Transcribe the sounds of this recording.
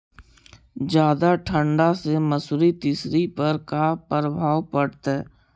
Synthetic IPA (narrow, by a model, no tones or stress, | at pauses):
d͡ʒjaːd̪aʈʰə̃ɳɖaseməsʊɾit̪ɪsɾipɐɾkapəɾəbʱaːwpəɽt̪ɛː